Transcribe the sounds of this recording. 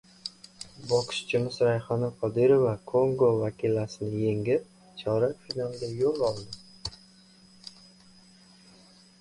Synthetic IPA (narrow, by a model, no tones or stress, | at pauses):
bɒqʰɨ̥ʃt͡ʃʰɪmɪsɾajχɒnaqʰɒd̪ɪɾovakʰoŋɡovakʲʰilasɪnɪje̞ŋɪp̚ | t͡ʃʰɒɾafinalˠɡʲajolˠɒlˠd̪ɪ